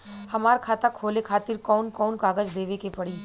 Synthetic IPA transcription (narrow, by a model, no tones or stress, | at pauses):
hɐmaːɾkʰaːt̪akʰoːlekʰaːt̪ɪɾkɔːnkɔːnkaːɡəd͡ʒd̪eːʋekepɐɽiː